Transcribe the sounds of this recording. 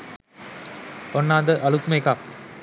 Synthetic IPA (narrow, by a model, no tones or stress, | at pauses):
ɔnːaːd̪ɐʔɐlukmekaː